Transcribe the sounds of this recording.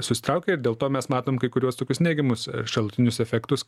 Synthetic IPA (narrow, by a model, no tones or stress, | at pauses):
sʊsʲɪ̥t̪ɾɐʊkʲɛɪɾd̪ʲeːlˠt̪oːmʲɛsmɑːt̪oːmkɐɪkʊɾʲuɔst̪oːkʲʊsnʲeːɡʲɛmʊsʃɐlˠʊt̪ʲɪnʲʊsɛfʲɛkt̪ʊs